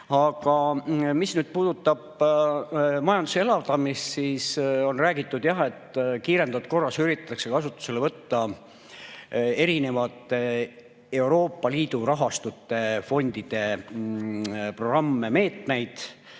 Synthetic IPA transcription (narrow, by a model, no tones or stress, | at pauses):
ɑɡɑmisnyːd̪̥̚puːd̪̥ut̪ːˑɑb̥ | mɑjɑnd̪usee̞lɑvt̪ɑmist̪siːso̞nræːɡit̪ːˑud̪̥jɑɦe̞t̪ːkiːɾe̞nd̪ɑvt̪̚ko̞rːɑsyɾit̪ˑːɑ̥t̪ːˑɑkse̞kɑsut̪ːˑu̥se̞le̞vɤt̪ːɑ | e̞ɾine̞vɑt̪ːˑe | e̞wɾo̞ːpˑːɑliːd̪̥uɾɑɦɑst̪ut̪ːe̞fo̞nʲd̪̥id̪̥e̞ | pro̞ɡrɑmːe̞me̞ːt̪ne̞jd̪̥